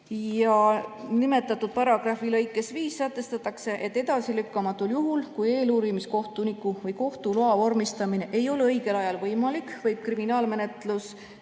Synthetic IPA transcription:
jɑnime̞t̪ːˑɑt̪ːˑud̪̥̚pɑɾɑɡ̥rɑfilɤ̞jkːˑe̞sviːsːæt̪ːˑe̞st̪ɑt̪ːˑɑkse̞ʔe̞t̪ːˑe̞d̪̥ɑsilykːɑmɑt̪ːˑuljuɦulkuje̞ːluːɾimisko̞ht̪unikːˑuvɤjko̞ht̪uloɑvo̞rmist̪ɑmine̞ʔe̞jo̞leɤjɡe̞lɑjɑlvɤjmɑlikːvɤjb̥̚kriminɑːlme̞ne̞t̪lus

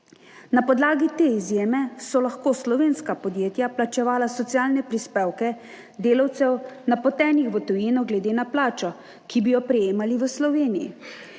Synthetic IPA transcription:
napɔd̪laːɡit̪eːizjeːmɛsɔlaxkoːslɔʋeːnskapɔd̪jeːt̪japlat͡ʃɛʋaːlasɔt̪sijaːlnɛpɾispeːwkɛ | d̪eːlawt̪sɛwnapɔt̪ɛːnixʋət̪ɔjiːnɔɡlɛd̪eːnaplaːt͡ʃɔ | kibijɔpɾɛjeːmaliʋəslɔʋeːnijḭ

